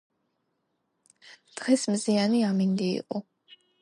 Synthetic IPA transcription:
d̪̥ʁɛsmzianiamind̪ḭːqʼɔ

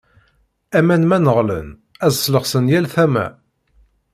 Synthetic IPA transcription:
æmænmænəʁlə̰n | æzsːləʁsənjælθæmæ̰

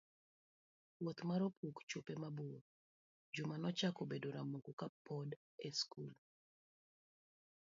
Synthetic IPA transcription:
wot̪maɾopʰukt͡ʃopemabu | d͡ʒumanɔt͡ʃakobedoɾamuɡukapʰɔd | ɛskul

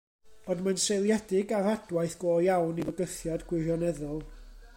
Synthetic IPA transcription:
ɔdmansejlˠjɛdɪɡarad̥waɨθɡ̥oːjawnivəɡəθjadɡwɪrjɔnɛðʊlˠ

